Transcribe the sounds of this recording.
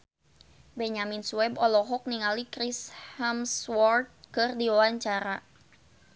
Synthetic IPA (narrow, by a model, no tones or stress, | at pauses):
bɛɲaminsuɛbɔlɔɦɔk̚niŋalikɾishamswɔrt̪̚kɨrdiwawaɲt͡ʃaɾa